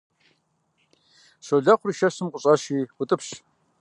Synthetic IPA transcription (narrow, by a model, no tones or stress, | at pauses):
ɕoɮɐχʷʊriʃɐɕɨmqʷʼʊɕʼɐɕiːwʊtʼɨpɕ